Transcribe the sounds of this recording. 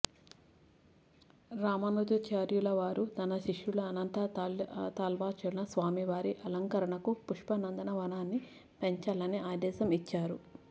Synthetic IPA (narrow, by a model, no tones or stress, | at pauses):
ɾaːmɐnuːd̪ɐt͡ʃaːɾjulɐʋaːɾut̪ɐnɐʃiʂjulɐɐnɐnt̪ɐt̪aːlʋaːt͡ʃɐlnɐsʋaːmiʋaːɾiʔɐlɐŋkɐɾɐɳɐkupuʂpɐnɐnd̪ɐnɐʋɐnaːnːi | pe̞ɲt͡ʃalɐniʔaːd̪ɛːsɐmit͡ʃːaːɾu